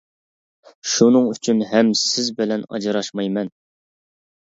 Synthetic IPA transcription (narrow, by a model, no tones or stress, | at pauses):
ʃunɨŋyt͡ʃʰynɦɛmsɪzbɪlɛnɑ̰d͡ʒɨɾɑʃmɑjmɛn